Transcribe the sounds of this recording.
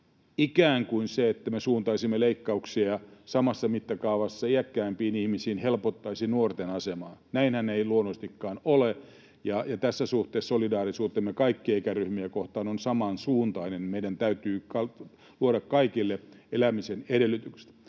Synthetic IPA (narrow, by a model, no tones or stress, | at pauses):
ikæːŋkuinseet̪ːæmesuːnt̪ɑisimːeleikːɑuksiɑɑsɑmɑsːɑmit̪ːækɑuʋɑsːɑiækːæːmpiːnihmisiːnhelpot̪ːɑisinuort̪enɑsemɑːnnæinhæneiluonːost̪ikːɑːnole | jɑjɑt̪æsːæsuht̪eːssolidɑːrisuːt̪ːˑemekɑikːieikæryhmiækoht̪ɑːnonsɑmɑnsuːnt̪ɑinenmeidænt̪æyt̪yːkɑ | luoɾɑkkɑikilːeelæmisenedelːˑyt̪ykse̥t̪